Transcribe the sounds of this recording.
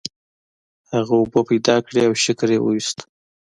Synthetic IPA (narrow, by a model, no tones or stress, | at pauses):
haɣaʊbopajd̪ɑkɽeawʃɪkɾjewṵwist̪